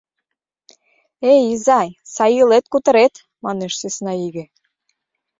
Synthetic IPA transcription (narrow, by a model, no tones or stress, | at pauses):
ejizɑjsɑjilet̪̚kut̪ə̆ɾet̪ | mɑneʃsesnɑiɣĕ